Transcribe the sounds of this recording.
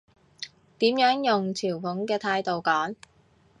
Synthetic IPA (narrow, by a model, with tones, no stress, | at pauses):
t̪iː˨˥mjœː˨˥ŋjʊ˨ŋt͡sʰiː˨˩wfʊ˨˥ŋkɛː˧t̪ʰaː˧jt̪o˨wkɔː˨˥ŋ